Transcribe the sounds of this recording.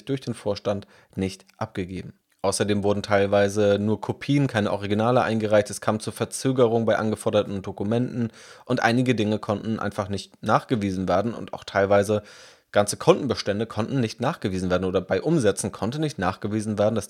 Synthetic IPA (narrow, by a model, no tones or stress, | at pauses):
çd̥ʊɐçd̥eːnfoːɐʃtant | nɪçtʔap̚ɡ̥əɡeːbm̩ | ʔaʊsɐdeːmvʊɐdn̩tʰaɪlvaɪzənuːɐkʰopʰiːənkʰaɪnəʔɔʁiɡinaːləʔaɪnɡəʁaɪçtɛskʰaːmt͡suːɐfɛɐt͡søːɡəʁ̞ʊŋəbaɪʔanɡəfɔɐɾɐtn̩dokumɛntn̩ | ʔʊntʔa̰ɪnɪɡədɪŋəkʰɔntn̩ʔa̰ɪnfaχnɪçt̚naːχɡ̥əviːzn̩veːɐdn̩ʊ̰nta̰ʊxtʰaɪlvaɪzə | ɡ̥ant͡sə̥kʰɔntn̩bəʃtɛndəkʰɔntn̩nɪçtnaːχɡ̥əviːzn̩veːɐdn̩ʔoːdɐbaɪʔʊmzɛt͡sn̩kʰɔntn̩nɪçtna̰ːχɡ̥əviːzn̩veːɐdn̩das